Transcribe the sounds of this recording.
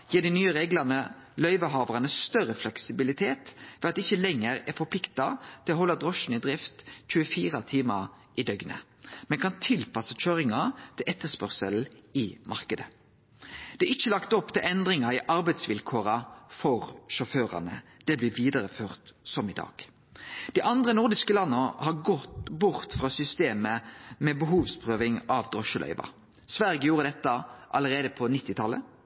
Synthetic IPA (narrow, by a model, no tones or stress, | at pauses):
jiːd̪ɪnyːəʁeːɡlɑnəlœʏʋəɦɑːʋəʁɑnəst̪œɾəflɛksɪbɪlɪt̪ʰeːt̪ʋɛɑt̪̚ɛɪçːəlɛŋːəɾɛfɔpʰlɪkt̪ɑt̪ʰɪlɔɦɔlːɑd̪ʁɔʃn̩ɪd̪ʁɪft̪c͡çʉːəfiːʁɑt̪ʰiːmə | ʔɪd̪œɡnə̰ | mɛnkʰɑnt̪ʰɪlpɑsəc͡çøːʁɪŋɑt̪ʰɪlʔɛt̪ːəspœʁsəl̩ɪmɑʁkəd̪ə | d̪̥ɛːɪçːəlɑkt̪ɔpːt̪ɪlʔɛnd̪ʁɪŋɑɪʔɑɾbæɪd̪sʋɪlkʰoːɾɑfɔʁʃɔføːʁɑ̰nə̰d̪̥ɛblɪʋiːd̪əʁəføːʁt̪sɔmɪd̪ɑ̰ːɡ̥ | d̪̥iʔɑnd̪ʁənʊʁd̪ɪskəlɑnːəhɑʁɡɔt̪bʊʁt̪fʁɑːsʏst̪eːməmɛːbəɦuːʋspʰʁøːʋɪŋɑʋd̪ʁɔʃəlœ̰ʏʋɑ̰ | sʋæɾɡəjuːʁəd̪ɛt̪ːəʔɑ̰ləʁeːd̪əpʰɔnɪt̪ːɪt̪ʰɑlːə̰